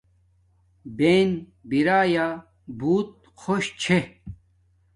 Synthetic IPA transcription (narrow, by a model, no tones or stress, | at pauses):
ben | biɾaːja | buːt̪̚ | xʰoɕt͡ɕʰe